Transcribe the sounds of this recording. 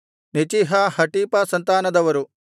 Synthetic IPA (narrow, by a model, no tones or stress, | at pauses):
nit͡ʃiɦɐhɐʈiːpɐsɐnt̪aːnɐd̪ɐʋɐɾu